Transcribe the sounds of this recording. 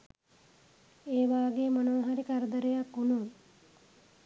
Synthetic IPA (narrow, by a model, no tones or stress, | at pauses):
eːʋaːɡeːmənoːɦaɾikaɾəd̪əɾejakːunu